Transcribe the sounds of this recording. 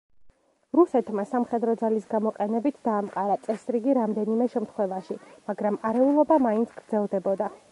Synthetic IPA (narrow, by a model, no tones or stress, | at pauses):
ɾusɛt̪ʰmasamχɛd̪ɾɔd̪zalisɡamɔqʼɛnɛbit̪ʰd̪aːmqʼaɾat̪sʼɛsɾiɡiɾamd̪ɛnimɛʃɛmt̪ʰχwɛvaʃimaɡɾamaɾɛulˠɔbamaint̪sʰɡ̥ɾd̪zɛlˠd̪ɛbɔd̪a